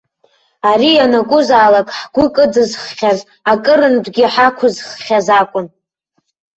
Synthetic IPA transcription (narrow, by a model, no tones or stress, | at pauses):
aɾijanakʷʼʊzaːlakʼħɡʷʊkʼɨdɨzχχʲaz | akʼɨɾɨndɡʲɪħakʷʰʊzχχʲazakʷʼʊn